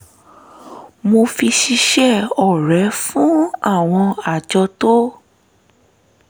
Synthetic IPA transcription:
mo˧fi˧ʃi˧ʃɛ˦˨ɔ˨ɾɛ˨˦fũ˨˦a˦˨w̃ɔ̃˧a˦˨d͡ʒɔ˧to˦

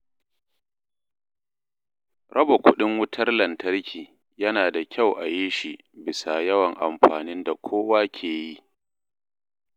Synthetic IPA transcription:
ɾɐ˦ba˨kʷʊ˦ɗɪ˦ŋwʊ˦tʰɐ˦rlɐ˨ntɐ˦rkʲiː˨ | jɐ˦naː˨da˨kʲʰa˦˨wʔa˨ji˦ʃi˨ | bɪ˨sa˨jɐ˦wɐ˨ŋʔa˨mɸaː˨nɪ˦nda˨kʷʰoː˦waː˦kʲʰeː˨ji˦

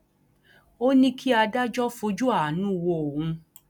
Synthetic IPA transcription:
o˦nĩ˦kʰi˦a˧da˦d͡ʒɔ˦fo˧d͡ʒu˦a˦˨nũ˦˨wo˧o˨hũ˧

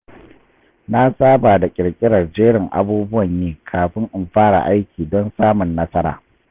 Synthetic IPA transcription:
na˦sʼaː˦baː˨da˨kʲʼɪ˨ɽkʲʼɪ˦ɽɐ˨rd͡ʒeː˦ɽɪ˨ŋʔa̰˦buː˦bʊ˦wɐ˨ɲjeː˦kʰaː˨ɸɪ˦ŋʔɪ˨mɸaː˦ɽa̰˨ʔa˦jkʲʰiː˨dɔ˦nsaː˦mʊ˨nːɐ˦sɐ˦ɾa̰ː˨

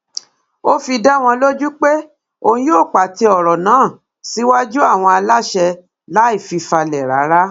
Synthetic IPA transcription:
o˦fi˧da˦˨w̃ɔ̃˧lo˦d͡ʒu˦k͡pe˦ | o˧ĩ˦joː˦˨k͡pa˨ti˧ɔ˨ɾɔ˨nãː˨˦˨ | si˨˦wa˦d͡ʒu˦a˦˨w̃ɔ̃˧a˧la˦ʃɛ˧ | la˨˦i˦˨fi˧fa˧lɛ˨ɾa̰˨˦ɾa˦

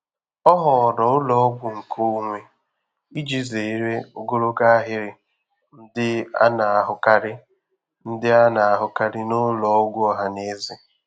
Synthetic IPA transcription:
ɔ˦ɦɔ˨ɔ˨ɾɔ˨ʊ˦lɔ˨˦ɡʷʊ˨ŋ̩˨kʰo˦ŋʷe˦ | i˦d͡ʒi˦ze˨i˦ɾe˦ʊ˦ɡo˦ɾo˦ka˦a˦ɦɪ˦ɾɪ˨ | n̩˦dɪ˦a̰˦na˨a˨ɦʊ˦ka˦ɾɪ˦ | n̩˦dɪ˦a˦na˨a˨ɦʊ˨ka˦ɾɪ˦no˦lɔ˨˦ɡʷʊ˦ɦa˨ne˦zɪ˨

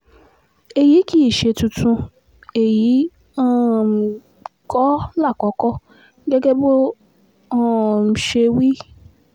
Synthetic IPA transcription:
e˨ji˨˦ki˦i˨ʃe˨˧tũ˧tʰũ˧ | e˨ji˨˦ | ɔ̃˦˨ | kɔ˦la˦˨kɔ˨˦kɔ˦ | ɡɛ˦ɡɛ˦bo˦ | ɔ̃˦˨m̩˨ʃe˧wi˦

